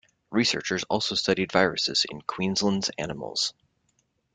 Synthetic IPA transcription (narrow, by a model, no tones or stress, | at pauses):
ɹisɜ̰˞t͡ʃə˞zɔ̰lˠsoʊstʌɾidvaɪɹɨsɨz̥ɪ̰̃nkʰw̥ĩnzlə̃ndz̥æ̰nəml̩ˠz̥